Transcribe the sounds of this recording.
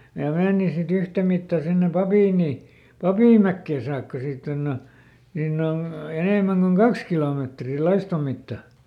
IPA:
jɑ meːni sit yhtæmitːɑ sinːe pɑpiˑnˑi pɑpiˑmˑækːeˑ sɑːkːɑ siːtː onː o niːnː on̞ eneˑmæŋ koŋ kɑks kiloˑmeˑtri lɑistom̆ mitːɑ

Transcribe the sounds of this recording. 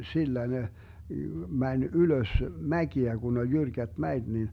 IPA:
silːæ ne mænʲ yløs mækiæ ɡ̊un olʲ jyrkæt mæet nin

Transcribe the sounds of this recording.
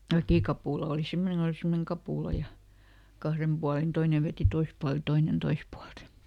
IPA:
ʋækiˑkɑpuˑlɑ oˑli simːoneŋ kon oli simːoneŋ kɑpuˑlɑ jɑ kɑhrem b̥uɑlin toine ʋeti tois puɑlt jɑ toinen tois puɑlt

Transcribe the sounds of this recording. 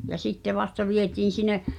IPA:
jɑ sitːe ʋɑstɑ ʋietiːn̞ sine

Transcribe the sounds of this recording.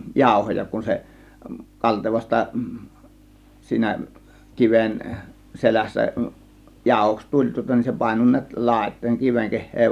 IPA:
jɑˑo̝hojɑ kun se kɑlteʋɑstɑ siːnæ kiʋen selæsːæ jɑˑo̝hoks tulʲ tŭŏtɑ nin se pɑˑe̝no ni̞æt lɑˑe̝tˑoˑe̝ŋ kiʋeŋ kehˑeː

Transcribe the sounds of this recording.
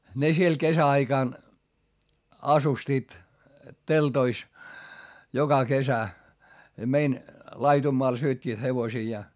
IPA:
ne siel kesæɑikɑˑn ɑsustiːt teltois jokɑ kesæ mein lɑitumːoɑl syøtʲːiːt heʋosiːjɑː

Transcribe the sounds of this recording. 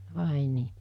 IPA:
ʋɑˑe niː

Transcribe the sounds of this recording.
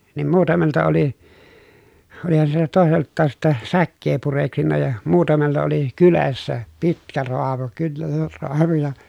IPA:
niːm muːtɑmeltɑ oli olihɑn siltæ toˑeseltːɑːs sitːɛ sækːeː pureksinːɑ jɑ muːtɑmelːɑ oli kylesːæ pitkæ roɑmu kynːer roɑmu jɑ

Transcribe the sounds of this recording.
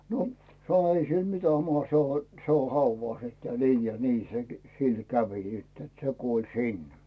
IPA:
no sɑ̃o ei sil mitæ mɑhɑ se o se o hɑuʋɑˑs etːæ niː jɑ ni se sil kæʋi sitː et se kuol sin

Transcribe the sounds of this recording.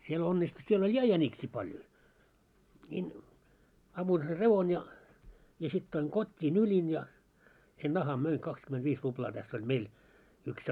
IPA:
siel onːistu siel olʲ jɑ jænʲiksiː pɑljo nʲiːn ɑmːuin ser reʋon jɑ jɑ sit toiŋ kotʲːi nylin jɑ sen nɑhɑm møiŋ kɑkskymentʋiːs ruplɑː tæsː olʲ meil yks

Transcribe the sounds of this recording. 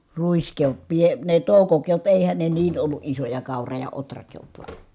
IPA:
ruiskeot pie ne toˑukokeot eˑihæn ne niːn olːu ʔisojɑ kɑˑurɑ jɑ otrɑkeot ʋɑ

